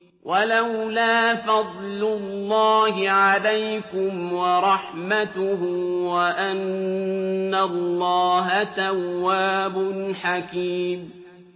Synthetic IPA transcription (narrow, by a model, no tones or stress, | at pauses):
wʔalawlaːfɑd̪ˤlʊlːɑːhɪʕalajkʊmwɑɾˤɑħmat̪ʊhʊwaʔanː | alːɑːɦat̪awːaːbʊnħakiːm